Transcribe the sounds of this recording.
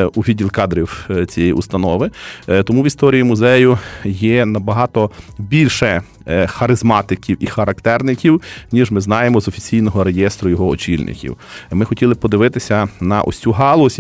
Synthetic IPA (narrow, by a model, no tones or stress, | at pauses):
uʋʲidʲilˠkɑd̪ɾʲiwt͡sʲijɛjḭʔʊst̪ɐnɔʋɪt̪ɔmuʋʲist̪ɔɾʲijimʊzɛjʊjɛnɐbɐɦɑt̪ɔbʲilʲʃɛ | xɐɾɪzmɑt̪ɪkʲiwixɐɾɐkt̪ɛrnɪkʲiwnʲiʒmɪznɑjemɔzɔfʲi̥t͡sʲijnɔɦɔɾejɛst̪ɾʊjɔɦɔɔt͡ʃʲilʲnʔɪ̰kʲḭw | mɪxɔtʲilˠɪpɔd̪ɪʋɪt̪ɪsʲɐnɐʔɔ̰sʲuɦɑlˠɔsʲ